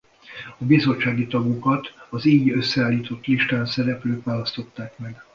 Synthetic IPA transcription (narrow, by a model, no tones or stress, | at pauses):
ɒbizo̞t͡ʃːaːɡit̪ɒɡukɒt̪ɒziːɟø̞sːɛaːlːiːt̪o̞t̪ːliʃt̪aːnsɛɾɛpløːkʋaːlɒst̪o̞t̪ːaːkmɛɡ